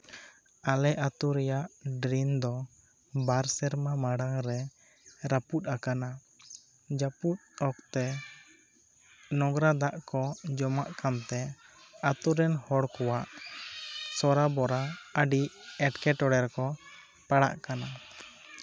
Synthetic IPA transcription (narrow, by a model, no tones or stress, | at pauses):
alɛʔat̪uɾɛjaʔɖɾind̪ɔ | baɾsɛɾmamaɽaŋɾɛ | ɾaput̪̚ˀakana | d͡ʒaput̪̚ɔk̚t̪ɛ | nɔɡɾad̪aʔkɔd͡ʒɔmaʔkamt̪ɛ | at̪uɾɛnhɔɽkɔwaʔ | sɔɾabɔɾaəɖiʔɛʈkɛʈɔɽɛɾkɔ | paɽa̰ʔkana